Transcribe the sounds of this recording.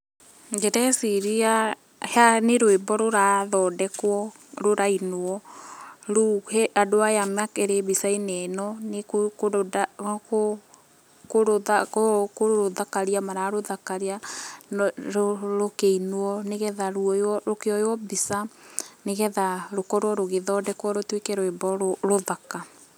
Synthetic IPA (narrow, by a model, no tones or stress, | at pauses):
ŋɡeɾɛsiɾia | haneɾoebɔɾoɾaðɔːdɛkwɔ | ɾoɾainoɔ | ɾuhɛʔadoajamakɛɾebisainɛnɔnekkodako | koɾoakokoɾoɾoðakaɾiamaɾaɾoðakaɾea | ɾoɾokeinoɔneɣɛðaɾuɔjɔɾokeɔjwɔbisaneɣɛðaɾokɔɾwɔɾoɣeðɔdɛkwɔɾotwekɛɾoɛbɔɾoɾoðaka